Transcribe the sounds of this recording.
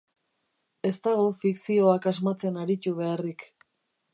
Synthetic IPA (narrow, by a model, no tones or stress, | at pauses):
e̞st̪aɣ̞o̞fiksio̞akazmat͡se̞naɾit̪uβe̞arik